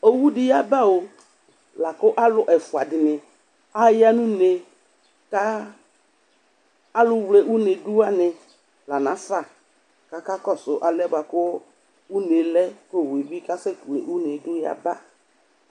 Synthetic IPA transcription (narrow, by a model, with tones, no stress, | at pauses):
o˦wu˦dɪ˨ja˦ba˦o˨ | la˨kʊ˦ʔa˦lʊ˨ʔɛ˨fʊ˨a˨dɪ˨nɪ˨ | a˦ja˦nʊ̃˦ne˨ | ka˦ | lʊ˨wle˨ʔu˦ne˨du˦a˦nɪ˨ | la˨nã˨˦sa˦˨ | ka˨ka˦kɔ˦˨sʊ˨ʔa˨lɛ˦ba˨kʊ˦ | u˦ne˨lɛ˦ko˦˨we˨bi˦ka˦sɛ˦klḛ˨ʔu˦ne˨dʊ˦ja̰˦ba˦